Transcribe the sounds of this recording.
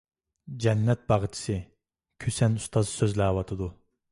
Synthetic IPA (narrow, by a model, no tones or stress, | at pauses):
d͡ʒɛnːɛt̪̚bɑʁət͡ʃʰi̥sɨ | kʲʰøsɛnust̪ʰɑzsøzlæwɑt̪ʰɨd̪u